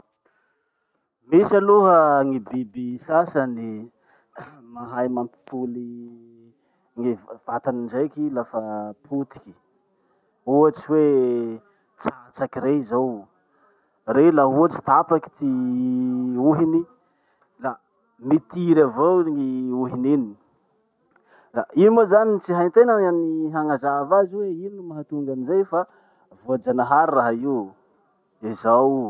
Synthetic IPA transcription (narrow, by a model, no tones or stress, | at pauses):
misaluɦəŋibibisasani | maɦajmampi̥puli | ŋev̥at̪anind͡ʒajkilafapʰut̪i̥kʲi̥ | uat͡ʃiwe | t͡sat͡sakireizaw | relaɦuat͡ʃi̥t̪apaki̥t̪i | uɦini | la | mit̪iɾavoŋiuɦinenini | rainimozanit͡siɦajnt̪enaaniɦaŋazavaziweininumaɦat̪uŋɡanizejfa | voad͡ʒanaɦaɾraɦaiw | izaw